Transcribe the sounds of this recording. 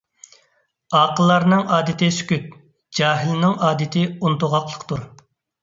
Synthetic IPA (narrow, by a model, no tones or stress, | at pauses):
ɑːqəlˠːɑɾnɨŋɑːd̪ɪt̪ʰɪsy̥kʲyt̪̚ | d͡ʒɑːɦɪlnɪŋɑːd̪ɪt̪ʰɪunt̪ʊʁɑqlˠəqt̪uɾ